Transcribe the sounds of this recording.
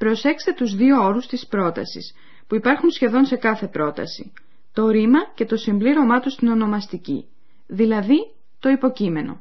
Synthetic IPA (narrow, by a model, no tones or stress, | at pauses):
pɾo̞se̞kst̪e̞t̪uzðio̞o̞ɾust̪ispɾo̞t̪ɐ̰sḭs | puipɐɾxunsçe̞ðo̞nse̞kɐθe̞pɾo̞t̪ɐ̰si | t̪o̞ɾimɐce̞t̪o̞simbliɾo̞mɐt̪ust̪ino̞no̞mɐst̪icḭ | ðilɐði | t̪o̞ipo̞cime̞no̞̰